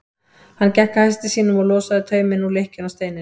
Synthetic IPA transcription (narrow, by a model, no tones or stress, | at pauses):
hanːcɛhkahajst̪ɪ̥siːnʏmaɣlɔːsaðɪt̪ʰœːɥmɪnulehcʏnawst̪eːjnɪ